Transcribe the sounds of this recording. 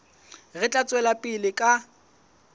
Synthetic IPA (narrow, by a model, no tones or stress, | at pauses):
ɣɪt͡ɬʼat͡sʼwɛlapʼɪlɪkʼa